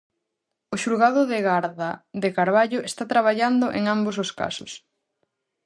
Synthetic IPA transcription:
ʊʃuɾɣaðʊðɪɣaɾðaðekaɾβaʎʊest̪at̪ɾaβ̞aʎand̪ʊʔeŋambozoska̰sʊs

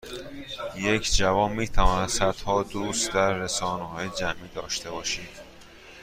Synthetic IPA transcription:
je̞cʰd͡ʒævɒːnmiːt̪ʰævɒːnæd̪sæd̪̥hɒːd̪uːst̪d̪æɾːesɒːneɦɒːjed͡ʒæmʔiːd̪ɒːʃt̪ʰe̞bɒːʃiːd̪̥

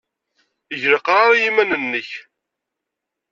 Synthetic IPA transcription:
əʝɾəqɾˤaɾˤjimænənːəç

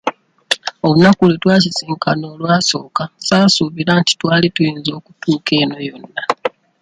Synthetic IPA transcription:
olunakulitwaːsisiːŋkʰano̞ːlwaːso̞ːkasaːsuːβiɾaːnti̥twaːlitujiːnzo̞ːku̥tʰuːke̞ːno̞jo̞nːa

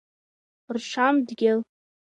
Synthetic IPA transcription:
rʃʷʰamdɡʲɪl

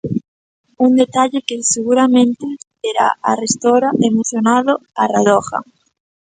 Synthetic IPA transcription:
und̪et̪aʎɪkeseɣuɾamẽnt̪ɪ | eɾa̰arest̪oɾaʔemoθjonaðoaraðɔxa̰

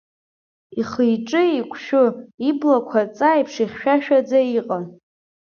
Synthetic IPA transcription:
iχɨjʈ͡ʂʼɨikʷʰʼʃᶣʊiblakʷʰat͡sʼajpʰʂiχʲʃᶣaʃᶣad͡zaiqʼan

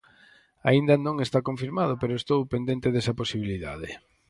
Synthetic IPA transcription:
a̰ind̪ɐnõŋest̪akoɱfiɾmað̞ʊpeɾoest̪owpend̪ent̪eðesɐposiβ̞iliða̰ðɪ

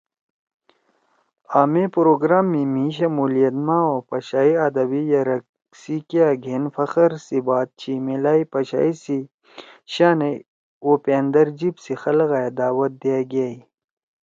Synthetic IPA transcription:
aːmepɾoːɡɾaːmːimiɕ̬ɐmuːlijɐt̪mãːopɐɕaːiɐd̪ɐbijɐɾɐk̚ | sikeaɡʱenfɐxɐɾsibaːt̪̚t͡ɕʰimelaːipɐɕa̰ːisi | ɕaːne | oːpeːnd̪ɐɾd͡ʑibsixɐlɣaːjed̪aːwɐt̪̚d̪ijaɡaːi

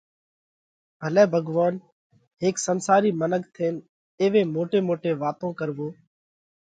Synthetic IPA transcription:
bʱəlɛːbʱəɡʋaːn | ɦeːksənsaːɾiːmənəkt̪ʰeːn | eːʋeːmoːʈeːmoːʈeːʋaːt̪õːkəɾʋoː

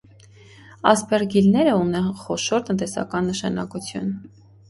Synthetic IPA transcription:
ɑspɛrɡilnɛɾəunɛnχɔʃɔɾt̪ənt̪ɛsɑ̰kɑnːəʃɑ̰nɑ̰kut͡sʰjṵn

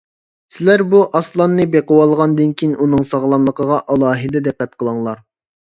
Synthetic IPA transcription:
sɪlæɾbuʔɑslˠɑnːɨbeqəwɑlˠʁɑnd̪ɨnkʲʰinʔunɨŋsɑʁlˠɑmlˠəqʰəʁɑʔɑlˠɑːɦɨd̪ɛd̪ɛqːɛt̪̚qʰəlˠɑŋlˠɑɾ

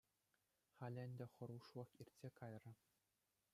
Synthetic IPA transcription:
χɑlʲɘ̆nʲdʲɘ̆χɤ̆ɾuʂʋɤ̆χirʲtʲsʲekɑjrɤ̆

